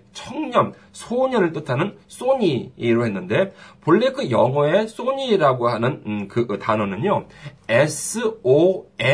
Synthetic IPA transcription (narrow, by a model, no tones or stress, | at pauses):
t͡ɕʰʌŋɲʌm | sʰoɲʌnɯɭt͈ɯtʰanɯns͈oɲiːɾoɦe̞nːɯnde̞poɭːekʰɯjʌŋʌe̞s͈oɲiɾaɡoɦanɯnkɯtanʌnɯɲoesʰɯoe